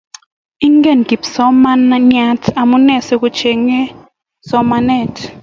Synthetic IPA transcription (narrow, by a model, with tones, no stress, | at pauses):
i˦ŋɡɛ˨nɡ̥i˨psɔ˦manɲa˦tʰa˨mu˦nɛ˦˨sɛ˦ku˦t͡ʃʰɛ˨ŋɛ˦ | sɔ˦manɛ˨tʰ